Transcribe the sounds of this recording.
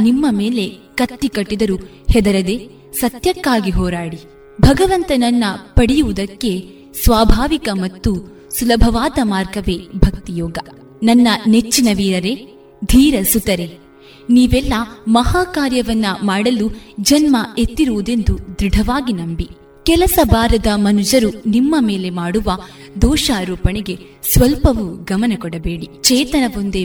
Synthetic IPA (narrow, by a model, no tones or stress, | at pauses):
nimːɐmeːle̞kɐt̪ːikɐʈːid̪ɐɾu | hɛd̪ɐɾɐd̪eː | sɐt̪jɐkːaːɡiɦɔːɾaːɽi | bʱɐɡɐʋɐnt̪ɐnɐnːɐpɐɽijuʋud̪ɐkːe̞ | sʋaːbʱaːʋikɐmɐt̪ːu | sulɐbʱɐʋaːd̪ɐmaːɾɡɐʋeːbʱɐk̚t̪ijɔːɡɐ | nɐnːɐnet͡ʃːinɐʋiːɾɐɾe̞ | d̪ʱiːɾɐsut̪ɐɾe | niːʋɛlːɐmɐɦaːkaːɾjɐʋɐnːɐmaːɽɐlud͡ʒɐnmɐet̪ːiɾoːd̪e̞nd̪ud̪ɾiɖʱɐʋaːɡinɐmbi | kɛlɐsɐbaːɾɐd̪ɐmɐnud͡ʒɐɾunimːɐmeːle̞maːɽuʋɐ | d̪ɔːʃaːɾɔːpɐɳeɡe̞ | sʋɐlpɐʋuɡɐmɐnɐkɔɽɐbeːɽit͡ʃɛːt̪ɐnɐʋond̪e